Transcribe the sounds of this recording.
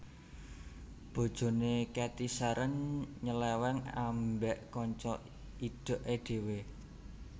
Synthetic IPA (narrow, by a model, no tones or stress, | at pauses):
b̥o̤d̥ʒ̥o̤nekɛt̪isaɾənɲəlɛwɛŋambɛʔkɔɲt͡ʃɔ | iɖ̥o̤ʔeɖ̪̥e̤we